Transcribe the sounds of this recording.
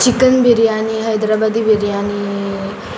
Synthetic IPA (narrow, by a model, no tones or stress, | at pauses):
t͡ʃikənbʱeɾijaːniɦɐjd̪ɾabad̪ibʱeɾijaːni